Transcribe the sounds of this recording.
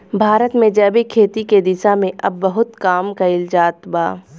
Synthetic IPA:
bʱaːɾət̪mẽd͡ʒɐbikʰeːt̪iked̪ɪsamẽʔɐbːɐɦʊt̪kaːmkaɪld͡ʒaːt̪baː

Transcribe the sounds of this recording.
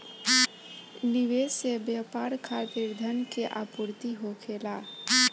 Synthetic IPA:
niʋeːsebjapaːɾkʰaːt̪iɾd̪ʱənkeʔa̰puɾt̪iɦokʰela

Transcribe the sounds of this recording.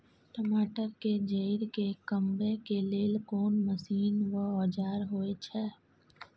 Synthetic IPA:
ʈəmaːʈəɾked͡ʒəɪɾkekə̃mbekeleːlkoːnməsiːnʋəɔːd͡ʒaːɾɦoːet͡ʃʰɛː

